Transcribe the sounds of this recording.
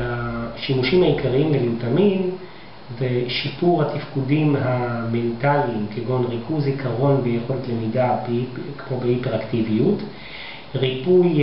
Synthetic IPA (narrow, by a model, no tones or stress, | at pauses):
haʃimuʃimhaikaʁiimvelimtamim | veʃipuʁhatifkudimɦamentalimkeɡo̞nʁikʰuzikʰaʁo̞nbejeχo̞letle̞midabkmobeipeʁaktivijut | ʁipuj